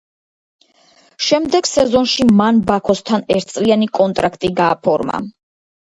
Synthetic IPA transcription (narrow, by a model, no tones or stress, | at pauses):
ʃɛmd̪ɛɡ̥sɛzɔnʃimanbakʰɔst̪ʰanɛɾt̪̚ʰsʼlianikʼɔnt̪ʼɾakʰt̪ʼiɡaːpʰɔɾma̰